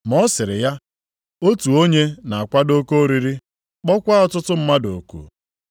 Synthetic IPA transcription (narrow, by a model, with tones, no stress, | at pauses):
m˨ɔ˦sɪ˨ɾɪ˨ja˦ | o˦tu˨o˦ɲe˦na˨a˨kʷa˦do˦ko˦ɾi˦ɾi˦ | k͡pɔ˦kʷa˦ɔ˦tʊ˦tʊ˦m̩˦ma˦do˨kṵ˦